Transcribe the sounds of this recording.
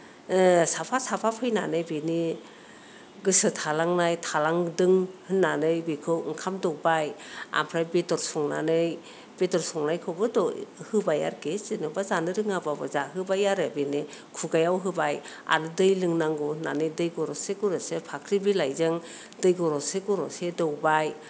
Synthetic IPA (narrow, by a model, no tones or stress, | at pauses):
sapʰasapʰapʰɯjna̰nɯjbeni | ɡɯsɯtʰalaŋnajtʰalaŋdɯŋhɯnːanɯjbikʰɯwŋkʰamdɔk̚baja̰mpʰɾajbedɔɾsɔŋna̰nɯj | b̥edɔɾsɔŋnajkʰɯwbɯdɔhɯbaja̰ɾkezinɯbazanɯɾɯŋababɯzaɦɯbajaɾɯbenikʰuɡajawɦɯbaja̰ɾɯdɯjlɯŋnaŋɡɔhɯnanɯjdɯjɡɔɾɔseɡɔɾɔsepʰakʰɾibilajzɯŋ | dɯjɡɔɾɔseɡɔɾɔsedɔwbaj